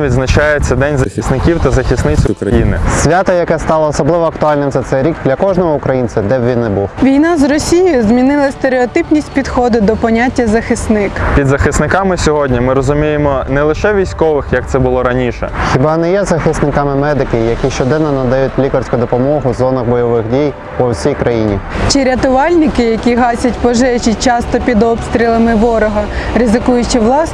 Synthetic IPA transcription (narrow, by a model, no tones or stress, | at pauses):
ʋʲid̪znɐt͡ʃɑjesʲɐd̪ɛnʲzɐxʲisnɪkʲiwt̪ɐzɐxʲisnɪt͡sʲkɾɐjinɪ̰sʲʋʲat̪ɐjɐkɛst̪ɑlˠɐːsɔblˠɪʋɔɐkt̪ʊɑlʲnɪmt̪ɛsɛɾʲikd̪lʲɐkɔʒnɔɦɔʊkɾɐjint͡sʲɐd̪ɛbʋʲinnɛbuwʋʲijnɑzrɔsʲijjʊzmʲinɪlˠɐst̪eɾeɔt̪ɪpnʲisʲtʲpʲid̪xɔd̪ʊd̪ɔpɔnʲatʲːɐzɐxɪsnɪkpʲid̪zɐxɪsnɪkɑmɪsʲɔɦɔdʲnʲimɪɾɔzʊmʲijemɔnɛlˠɪʃɛʋʲijsʲkɔʋɪxjɐk̚t̪sɛbʊlˠɔɾɐnʲiʃɛ̰xʲɪbɑnɛjɛzɐxɪsnɪkɑmɪmɛd̪ɪkɪjɐkʲiʃt͡ʃɔd̪ɛnːɔnɐd̪ɐjutʲlʲikɐrsʲkʊjd̪ɔpɔmɔɦʊzɔnɐxbɔjɔʋɪxdʲij | pɔwsʲijkɾɐjinʲḭt͡ʃɪɾʲɐt̪ʊʋɑlʲnɪkɪjɐkʲiɦɑsʲɐtʲpɔʒɛt͡ʃɪt͡ʃɑst̪ɔpʲid̪ɔpst̪ɾʲilˠɐmɪʋɔɾɔɦɐrɪzɪkujʊt͡ʃɪʋlˠɑs